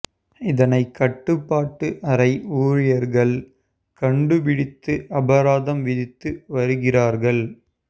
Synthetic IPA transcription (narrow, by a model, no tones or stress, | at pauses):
ɪðɐnɐɪkːɐʈːɯpːaːʈːɯʔɐɾɐɪuːɻɪjɐɾɣɐɭ | kɐɳɖɯpɪɽɪt̪ːɯʔɐbɐɾaːðɐmʋɪðɪt̪ːɯʋɐɾɯɣɪraːɾɣɐɭ